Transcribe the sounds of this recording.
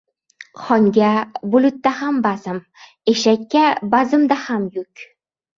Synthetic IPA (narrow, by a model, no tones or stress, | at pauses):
χɒŋɡʲabulʊt̪ːahambazɪm | eʃakʲːabazɨmd̪ahamjɵkʲ